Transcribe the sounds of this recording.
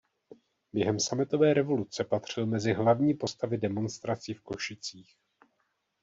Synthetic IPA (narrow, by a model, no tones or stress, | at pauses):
bjɛɦɛmsamɪt̪o̞vɛːɾɛvo̞lut͡sɛpat̪r̝̥ɪlmɛzɪɦlavɲiːpo̞st̪avɪdɛmo̞nst̪ɾat͡siːfko̞ʃɪt͡siːx